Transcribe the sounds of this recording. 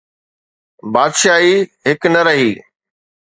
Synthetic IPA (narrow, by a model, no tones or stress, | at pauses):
baːd̪ʃaːɦiːɦɪknɐɾɐɦiː